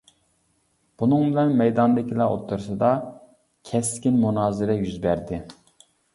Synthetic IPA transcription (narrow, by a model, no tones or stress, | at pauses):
b̥unɨŋbɪlɛnmɛjd̪ɑnd̪ɪkʲʰilˠɑo̰t̪ʰːuɾsɨd̪ɑ | kʲʰɛskʲinmunɑːzɪɾɛjyzbæɾd̪ɪ